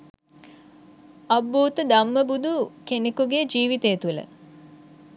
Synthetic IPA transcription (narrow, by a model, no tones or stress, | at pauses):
ɐbuːt̪əd̪amːəbud̪ʱukenekuɡed͡ʒiːʋit̪ejːt̪ulə̰